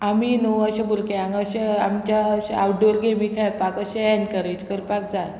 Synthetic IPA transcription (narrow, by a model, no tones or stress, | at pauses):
aminoəɕebulkeãŋɡəɕeamt͡ɕaəɕeawʈ̚ɖoɾɡemikʰaɭat̪̚pakəɕeɛnkəɾet͡ɕkəɾpakd͡zal